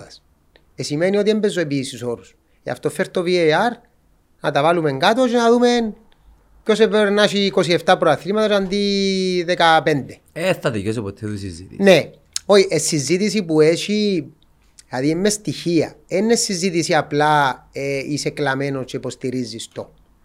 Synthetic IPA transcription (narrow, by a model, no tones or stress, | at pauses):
s | esimenio̞t̪iembezːoep̬iːsuso̞ɾus | ḛa̰ft̪o̞fːeɾt̪ovieaɾ | nɐt̪ɐvalumeŋɡat̪ot͡ʃenaðumen | co̞sepeɾnaʃiːko̞sieft̪apɾoaθɾimat̪ɐsand̪iðekape̞nd̪eesɐðijos̬epot̪ʰːeðisizit̪ine | oiʔesːizːit̪isipueʃi | aðiemːest̪içiɐ̰enːesːizːit̪isiaplaeiseklamenost͡ʃepo̞st̪iɾizːist̪o